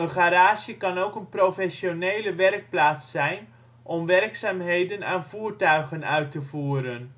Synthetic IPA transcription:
əχaɾaːʃjəkɑnowkənprofɛsjonejləʋɛrk̚plaːtsːɛjn | ʔɔmʋɛrksaːmɦejdəna̰ːnvuːrtœɥɣənœɥtːəvuːɾən

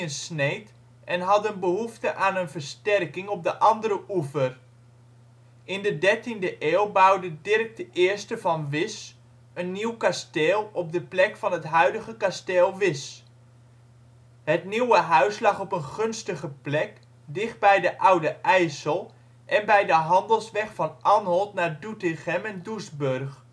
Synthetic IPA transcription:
ənsnejt | ʔɛnɦɑtənbəɦuftəʔaːnənvərstɛrkɪŋɔp̚dəʔɑndəɾəʔufər | ʔɪndədɛrtindəʔeːlˠbawdədɪrk̚dəʔɪːɹstəvɑnʋɪs | ənːiwkasteːlˠɔp̚dəplɛkfɑnɦətɦœɥdəɣəkasteːlˠʋɪs | hətniwəɦœɥslɑχɔpənχɵnstəχəplɛk | dɪχt̚bɛjdəʔawdəʔɛjsəlˠ | ʔɛnbɛjdəɦɑndəlˠsʋɛχfɑnʔanɦɔlˠtnaɹdutɪχɛmɛndusbørχ

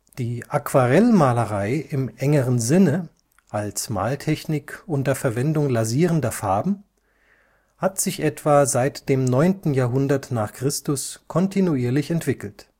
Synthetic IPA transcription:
d̥iːʔakv̥aʁɛlmaːləʁaɪʔɪmʔɛŋəʁənzɪnə | ʔalsma̰ːltʰɛçnɪkʔʊntɐfɛɐvɛndʊŋlaziːʁəndɐfaɐbm̩ | hatz̥ɪçʔɛtv̥aːzaɪtd̥eːmnɔʏntn̩jaːɐɦʊndɐtnaːχkʁ̥ɪstʊskʰɔntʰinuiːɐlɪçɛntv̥ɪkl̩t

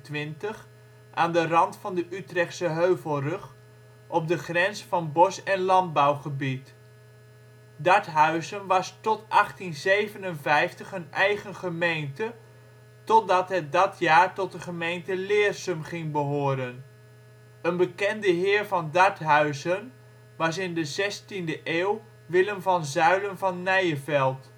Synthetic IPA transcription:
tʋɪntəχ | ʔaːndərɑntfɑndəʔytrɛχtsəɦøɥvəlˠrɵχ | ʔɔp̚dəχrɛnsfɑnbɔsɛnlɑnd̚bawχəbit | dɑɹtɦœɥzənʋɑstɔtʔɑχtinzejvənənvɛjftəχɦənɛjχənχəmejntə | tɔdɑtɦət̚dɑtjaːɹtɔt̚dəχəmejntəlɪːrsəmχɪŋbəɦoːɾən | ənbəkɛndəɦɪːɹvɑndɑɹtɦœɥzən | ʋɑs̬ɪndəzɛstindəʔeːw | ʋɪləmvɑnzœɥlənvɑnːɛjəvɛlˠt

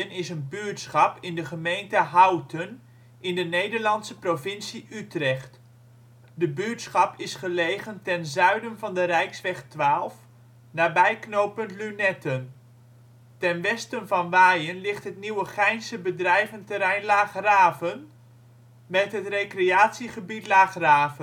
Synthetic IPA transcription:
ənɪsənbyəɹtsχɑpɪndəχəmejntəɦawtʰən | ɪndənejdəɹlɑntsəprovɪnsiʔytrɛχt | dəbyətsχɑpɪsχəlejχəntɛnzœɥdənvɑndərɛjksʋɛχtʋaːlˠf | naːbɛjknowpəntlynɛtən | tɛnʋɛstənvɑnʋaːjənlɪχtɦətniwəχɛjnsəbədrɛjvəntəɾɛjnlaːχraːvən | mɛtɦətrejkrejaːtsiχəbitlaːχraːvən

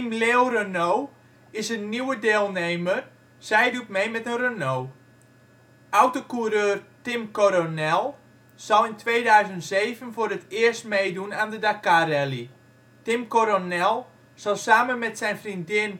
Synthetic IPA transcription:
mleorənow | ɪsənːiwədeːlˠnejmər | sɛjdut̚mejmɛtənrənow | ʔawtokuɾøːrtɪmkoɾonɛlˠ | z̥ɔlˠɪntʰʋejdœɥzəntsejvənfoːɾətɪːərstmejdunaːndədakarɛli | tɪmkoɾonɛlˠ | z̥ɑlˠsaːmənmɛtsɛjnfrindɪn

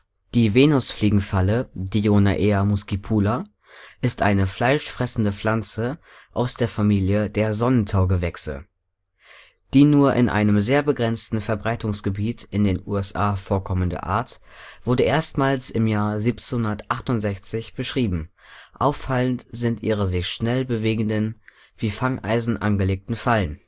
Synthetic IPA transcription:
d̥iːveːnʊsfliːɡŋ̩falədionaʔeːamʊskipʰuːla | ʔɪstʔaɪnəfl̥aɪʃfʁ̥ɛsn̩dəflant͡sə | ʔaʊsd̥eːɐfamiːljəd̥eːɐzɔnəntʰaʊɡəvɛksə̰ | d̥iːnuːɐʔɪ̰nʔa̰ɪnəmzeːɐbəɡʁɛnt͡stn̩fɛɐbʁaɪtʊŋsɡ̥əbiːtɪndeːnuːɛsʔaːfoːɐkʰɔməndə̰ʔa̰ːɐtv̥ʊɐdəʔeːɐstmaːlsɪmjaːɐziːpt͡senhʊndɐtʔaχtʊntz̥ɛçt͡sɪçb̥əʃʁ̥iːbm̩ʔaʊfːaləntz̥ɪntʔiːʁ̞əzɪçʃnɛlbəveːɡŋ̩dən | v̥iːfaŋʔa̰ɪzn̩ʔa̰nɡəleːk̚tn̩falən

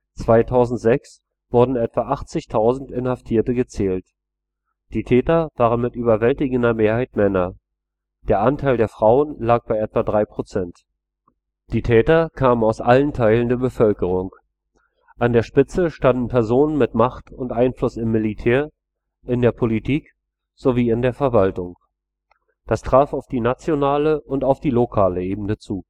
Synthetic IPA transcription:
t͡sv̥aɪtʰaʊzn̩tz̥ɛks | v̥ʊɐdn̩ɛtv̥aʔaχt͡sɪçtʰaʊzn̩tɪnhaftʰiːɐtəɡət͡sɛːlt | d̥iːtʰɛːtɐv̥aːʁənmɪtʔyːbɐvɛltɪɡn̩dɐmeːɐhaɪtmɛnɐ | d̥eːɐʔantʰaɪldeːɐfʁ̥aʊənlaːk̚b̥aɪʔɛtv̥adʁaɪpʁ̥ot͡sɛnt | d̥iːtʰɛːtɐkʰaːmənaʊsʔalən̩tʰaɪləndeːɐbəfœlkəʁ̞ʊŋ | ʔandeːɐʃpɪt͡səʃtandn̩pʰɛɐzoːnənmɪtmaχtʊntʔaɪnflʊsɪmːɪlitʰɛːɐ | ʔɪndeːɐpʰolitʰiːk | z̥oviːɪndeːɐfɛɐvaltʊŋ | d̥astʁ̥aːfaʊfd̥iːnat͡sjonaːləʔʊntaʊfd̥iːlokʰaːləeːbn̩nət͡suː

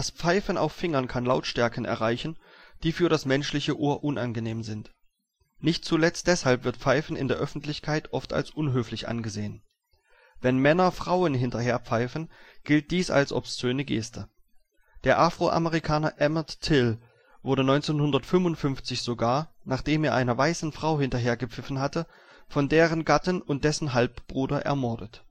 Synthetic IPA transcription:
d̥aspp͡faɪfən̩a̰ʊfːɪŋɐnkʰanlaʊtʃtɛɐkən̩ʔɛ̰ɐʁaɪçn̩ | d̥iːfyːɐɾasmɛnʃlɪçəʔoːɐʔʊnʔanɡəneːmzɪnt | nɪçt̚t͡sulɛt͡st̚d̥ɛshalpv̥ɪɐtp͡faɪfn̩ɪ̰ndeːɐʔœfn̩tlɪçkʰaɪtʔɔfta̰lsʔʊnɦøːflɪçʔa̰nɡəzeːən | vɛnmɛnɐfʁ̥aʊənɦɪntɐheːɐpp͡faɪfən̩ɡ̥ɪlt̚d̥iːsa̰lsʔɔ̰pssøːnəɡḛːstʰə | d̥eːɐʔafʁ̥oʔa̰məʁikʰaːnɐʔɛmɐtːʰɪl | vʊɐɾənɔʏnt͡seːnhʊndɐtfʏmvʊntfʏnft͡sɪçz̥oːɡaːɐnaːχd̥eːmeːɐʔaɪnɐvaɪsn̩fʁ̥aʊhɪntɐɦeːɐɡəp͡fɪfn̩ɦatə | fɔndeːʁ̞ənɡatənʊnt̚d̥ɛsn̩ɦalpb̥ʁuːdɐʔɛ̰ɐmɔɐdət

